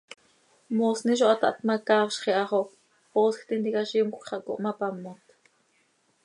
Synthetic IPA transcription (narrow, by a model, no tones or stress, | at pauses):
mosniʃ̬oʔɑt̪ɑʔt̪mɑkɑːwʃχiʔɑχo | poːskʰt̪int̪ikaʃimkokχɑʔko̰ʔmɑpɑmːot̪